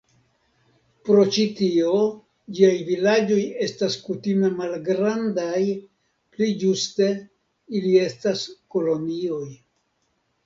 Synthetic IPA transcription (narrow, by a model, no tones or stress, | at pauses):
pɾo̞t͡ʃitio̞ | d͡ʒiajvilad͡ʒo̞je̞staskutime̞malɡɾandaj | plid͡ʒuste̞ | ilie̞stasko̞lo̞nio̞j